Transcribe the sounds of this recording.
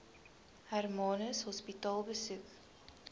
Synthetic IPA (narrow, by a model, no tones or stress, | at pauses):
hærmɑːnəsɦɔspitɑːlˠbəsʉk